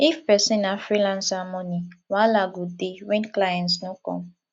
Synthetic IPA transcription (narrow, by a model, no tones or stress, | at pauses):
ifpɛsĩnãfɾilãnsamɔ̃nĩwalaɡodewɛ̃nklajɛ̃nsnʊ̃kɔ̰̃